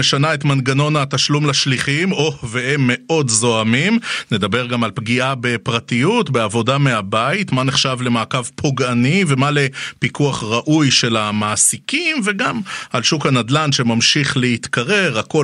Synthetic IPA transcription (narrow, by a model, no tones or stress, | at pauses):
eʃanae̞t̪manɡano̞nat̪aʃlumlaʃliχimoveemːe̞ʔo̞dzo̞amimne̞d̪abe̞ʁɡamalpɡiʔabepʁatijutbe̞avo̞dame̞abaitmaneχʃavle̞maːkavpʰoɡanive̞male̞pikuaχʁaʔujʃe̞lamaːsikimveɡamalʃukhanadlanʃe̞mamʃiχlehit̪kaʁe̞ʁako